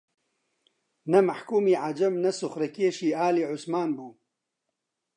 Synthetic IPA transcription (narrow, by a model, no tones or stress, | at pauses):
nɐmaħkuːmiːʕad͡ʒɐmnɐsʊxɾɐkeːʃiːaːliːʕʊsmaːnbuː